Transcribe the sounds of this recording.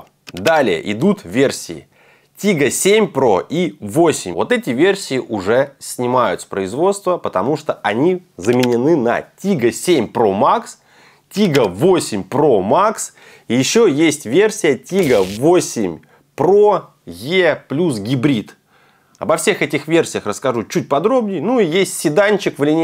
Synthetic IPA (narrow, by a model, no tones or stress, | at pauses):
d̪alʲɪjə̰ʔɪd̪ut̪vʲe̞rsʲɪɪ̰ | tʲiɡəsʲemʲpɾo̞̰ʔivosʲɪmʲvo̞t̪ɛtʲɪvʲe̞rsʲɪɪʔʊʐɛsʲnʲɪmajʊt̪sə̥pɾəɪzvo̞t̪st̪vəpət̪ɐmuʂt̪oɐnʲizəmʲɪnʲɪnɨnɐ̰tʲiɡəsʲemʲpɾo̞maks | tʲiɡəvosʲɪmʲpɾo̞maks | ijɪɕːojesʲtʲvʲersʲɪjətʲiɡəvosʲɪmʲ | pro | jeplʲus̬ɡʲɪbɾʲit̪ | ɐ̰bɐfsʲe̞xɛtʲɪxvʲersʲɪjəxrəskɐʐut͡ɕut̚ʲpɐd̪ɾo̞bnʲɪjnuijesʲtʲsʲɪd̪anʲt͡ɕɪkvlʲɪnʲ